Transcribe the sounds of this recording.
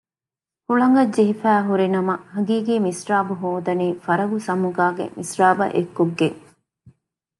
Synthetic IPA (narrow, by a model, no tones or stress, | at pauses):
huɭɐŋɡɐd͡ʒd͡ʒiɦifæːɦuɾinɐmɐhɐɡiːɡiːmisɾaːbuɦoːd̪ɐniːfɐɾɐɡusɐmuɡaːɡḛmisɾaːbɐ̰ʔekːuɡːeŋ